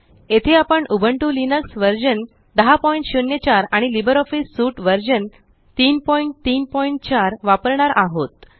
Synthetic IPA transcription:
et̪ʰeapəɳubʱəɳʈulinəksʋəɾd͡ʑən | d̪əɦapɔiɳʈɕunjət͡ɕaɾaɽ̃ilibəɾɔfisːuʈʋəɾd͡ʑən | t̪iːnpɔiɳʈ̚t̪iːnpɔiɳʈ̚t͡ɕaɾʋapəɾɳaɾʔaɦot̪

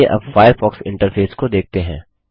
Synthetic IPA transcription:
eʔɐ̰bfaːjəɾfɔːksɪ̰̃ɳʈəɾfʰeːskod̪eːk̚ʰt̪eɦɛ̰̃ː

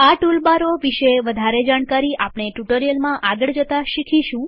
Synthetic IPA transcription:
aʈulbaɾoʋiʃeʋəd̪ʱaɾed͡ʒaɳkaɾiapɳ̃eʈuʈəɾijəlmãʔaɡəɭd͡ʒət̪aʃikʰiʃũ

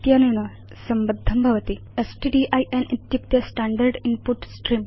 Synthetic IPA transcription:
t̪jaːnuɳɐ | sɐmbɐd̪ʱːɐmbʱɐʋɐt̪i | esʈiɖiʔɐjʔenʔit̪juk̚t̪jɐsʈaːɳɖɐɾɖinpuʈsʈrim

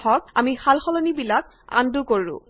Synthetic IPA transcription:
ɔk̚amixalxɔlɔnibilak | a̰ndukoɹʊ̰̃

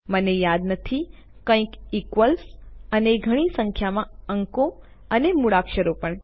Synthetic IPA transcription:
mənejad̪nət̪ʰi | kə̃ĩkikʋəlsəneɡʱəɽ̃isə̃ŋkʰjamãəŋko | ənemuɽakʃəɾopəɳ

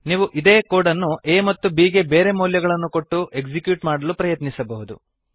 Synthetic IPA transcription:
niːʋuʔid̪e̞ːkoːɽɐnːuʔeːmɐt̪ːubiːɡe̞beːɾe̞muːljɐɡɐɭɐnːuko̞ʈːuʔe̞ɡd͡ʒikjuːʈmaːɽɐlupɾɐjɐt̪nisɐbɐɦud̪ṵ

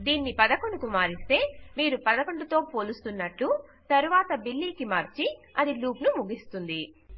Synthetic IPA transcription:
d̪iːnːipɐd̪ɐkoɳukumaːɾist̪e̞ːmiːɾupɐd̪ɐkoɳɖut̪oːpo̞ːlust̪unːɐʈːut̪ɐɾuʋaːt̪ɐbilːiːkimaːɾt͡ʃiɐd̪iluːpnumuɡist̪und̪i

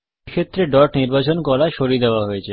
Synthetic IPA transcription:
kʰet̪ːɾeɖɔɾʈniɾbat͡ɕonkɔlaʃoɾid̪eoaɦojet͡ɕʰe

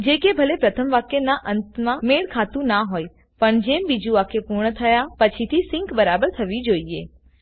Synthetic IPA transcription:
d͡ʒekebʱəlepɾət̪ʰəmʋakjenaʔənt̪mãmeɭkʰat̪ũnaɦoj | pəɳd͡ʒembid͡ʒuakepuɾɳət̪ʰəjapət͡ʃʰit̪ʰisɪ̃ŋkbəɾabəɾt̪ʰəʋid͡ʒoiḛ

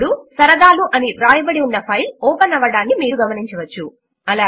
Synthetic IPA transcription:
ɽusɐɾɐd̪aːluʔɐniɾaːjɐbɐɽiunːɐpʰɐjlɔːpɐnɐʋɐɽaːnːimiːɾuɡɐmɐniɲt͡ʃɐʋɐt͡ʃːu | ɐlaː

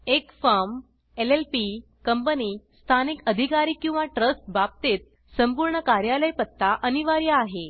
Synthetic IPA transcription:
ekfaɾm | elelpi | kəmpəniːsst̪ʰanikəd̪ʱikaɾiːkːĩw̃ʋaʈɾəsʈ̚bap̚t̪et̪̚ | səmpuɾɳəkaɾjaləjpət̪ːaʔəniʋaɾjaːɦe

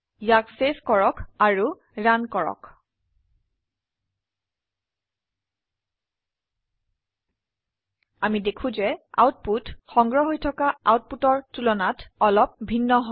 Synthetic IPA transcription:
jakseskɔɹɔkaɹu | ɹankɔɹɔ̰k | amidekʰũzɛa̰wt̚putxɔŋɡɹɔɦojtʰɔkaawt̚putɔɹtulɔnatɔlɔp̚bʱinːɔɦ

